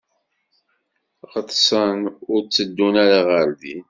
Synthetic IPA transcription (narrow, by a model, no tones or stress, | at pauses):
ʁət̪ˤːsənʊɾt͡sːəd̪ːunæɾaʁəɾði